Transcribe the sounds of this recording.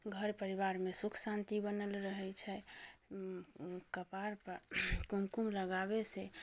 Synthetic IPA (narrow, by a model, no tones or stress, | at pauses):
ɡʱəɾpəɾiβaɾmesukʰsãnt̪ibənəlɾəɦɛt͡ʃʰɛ | kəpaɾpəɾkumkumləɡabese